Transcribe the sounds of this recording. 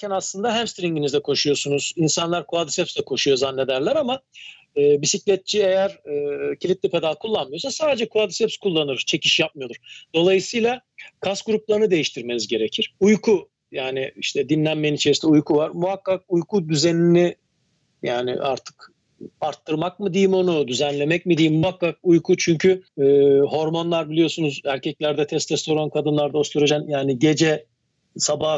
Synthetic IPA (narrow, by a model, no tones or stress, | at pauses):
cʰɛnaslˠɯnd̪aɦæmst̪ɾiɲɟinizd̪ɛkʰoʃujo̞sunuz̥insanlˠaɾkʰuad̪isɛpsd̪ɛkʰoʃujo̞zanːe̞d̪æɾlʲæɾama | ɯːbisiclʲɛt̪̚t͡ʃʰiejæɾ̥ːcʰilʲit̪lʲipʰe̞d̪alˠkʰulˠːanmɯjo̞sasaːd̪ed͡ʒɛkʰuad̪ɯsɛpskʰulˠːanɯɾ̥t͡ʃʰe̞cʰiʃjap̚mɯjo̞lˠuɾ̥d̪̥o̞lˠajɯsɯjlʲˠakʰasɡuɾuplˠaɾɯnɯd̪e̞jiʃt̪ʰiɾme̞nizɟe̞ɾecʰiɾ̥ujkʰu | jaːnɪiʃt̪ʰɛd̪inlʲænmeninit͡ʃʰe̞ɾisɛujkʰuvaɾmuɦakːak̚ujkʰud̪yze̞nini | jaːnɪ̰ʔaɾt̪ʰɯ̥k | aɾt̪ʰːɯɾmak̚mɯd̪ijimo̞nud̪yzænlʲe̞mɛc̚mid̪eijimmuɦakːak̚ujkʰut͡ʃʰyɲcʰyɯːɦo̞ɾmo̞nlˠaɾbilʲijosunuzæɾcʰɛclʲæɾd̪ɛt̪ʰɛst̪ʰɛst̪ʰo̞ɾankʰad̪ɯnlˠaɾd̪aost̪ʰuɾad͡ʒanjaːniɟe̞d͡ʒɛ | saba